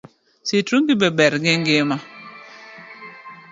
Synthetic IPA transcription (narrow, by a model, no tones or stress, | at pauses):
sitɾuŋɡɪbɛbɛɾɡɪŋɡɪma